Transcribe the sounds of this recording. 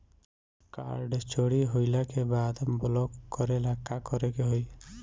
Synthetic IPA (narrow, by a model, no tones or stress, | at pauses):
ka̰ɾɖt͡ʃoɽiɦoɪlakebaːd̪blɔkːɔɾelakakɔɾekeɦoj